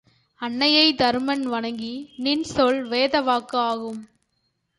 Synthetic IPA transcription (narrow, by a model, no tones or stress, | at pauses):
ɐɳːɐjɐɪd̪ɐɾmɐnʋɐɳɐŋɡinɪnsɔɭʋeːðɐʋaːkɯaːɣɯm